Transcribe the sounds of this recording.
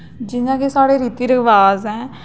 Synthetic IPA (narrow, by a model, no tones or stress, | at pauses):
d͡ʒɪnãːkesaːɽeːɾiːt̪iːɾəkʰʋaːzɦɛ̃ː